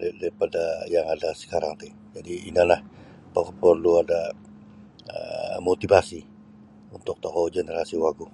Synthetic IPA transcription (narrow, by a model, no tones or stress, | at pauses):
daɾipadajaŋadasə̥kaɾaŋt̪i | d͡ʒadiːnalah | pəkpərluada | ə̰mot̪ibasi | unt̪ʊk̚t̪oɦod͡ʒenəɾasiwaɡu